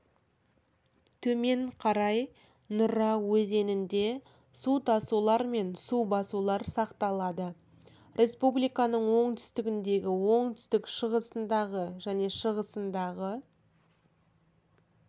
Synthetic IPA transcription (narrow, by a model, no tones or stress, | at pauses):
t̪ʰɵme̞ɴqʰɑɾɑj | nʊɾɑwɵze̞nɪnd̪e̞ | sut̪ʰɑsulˠɑɾme̞nsubɑsulˠɑɾsɑqt̪ɑlˠɑd̪ə | ɾʲʔe̞spublijkɑnəɴwo̞ɴt̪ʰʏ̥st̪ɪɡʲɪnd̪e̞ɡʲɪwo̞ɴt̪ʰʏ̥st̪ɪkʃəʁəsənd̪ɑʁəʒæne̞ʃəʁəsənd̪ɑʁə